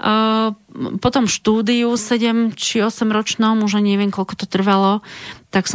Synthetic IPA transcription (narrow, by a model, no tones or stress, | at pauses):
pɔt̪ɔmʃt̪uːd̪iusɛɟɛmt͡ʃiɔsɛmɾɔt͡ʃnɔmuʒaɲɪɛʋɪɛŋkɔlkɔ̥t̪ɔt̪r̩ʋalɔt̪aks